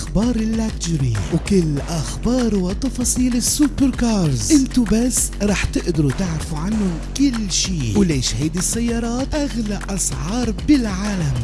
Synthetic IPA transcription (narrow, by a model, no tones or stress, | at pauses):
ʔaxbɑːɾˤɪlːakd͡ʒɾiwkʊlːʔaxbɑːɾˤwɪt̪ˤɑfɑːsˤiːlɪsːupɾkɑːɾˤzʔɪnt̪ʊbasː | ɾˤɑːħt̪ɪʔd̪ɑɾut̪ɪʕɾafuʕanːʊ | kɪlːʃiːwleːʃhajd̪isːajːɑːɾˤɑːt̪ʔaɣlaʔʔɑsʕɑːɾˤbɪlʕaːlam